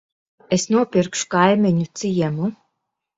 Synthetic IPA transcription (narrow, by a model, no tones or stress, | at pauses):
esnuɔpʲiɾkʃu̥kajmʲiɲut̪sɨjɛmu